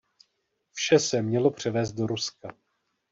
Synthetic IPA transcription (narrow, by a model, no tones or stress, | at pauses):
fʃɛsɛmɲɛlo̞pr̝̥ɛvɛːst̪̚do̞ɾuska